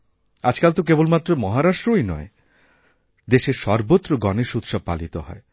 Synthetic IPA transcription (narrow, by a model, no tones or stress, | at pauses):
ad͡ʑkalt̪ok̬ebolmat̪ːɾomɔɦaɾaʃʈɾoinɔ̰e | d̪eʃeɾʃɔɾbot̪ːɾoɡɔneʃut̪ːʃɔb̚pa̰lit̪oɦɔ̰e